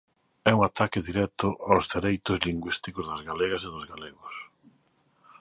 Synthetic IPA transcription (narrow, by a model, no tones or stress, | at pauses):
ɛuŋat̪akɪðiɾɛt̪ʊʔawzðeɾejt̪ʊzliŋɡwist̪ikʊzðɐzɣaleɣɐseðʊzɣaleɣʊs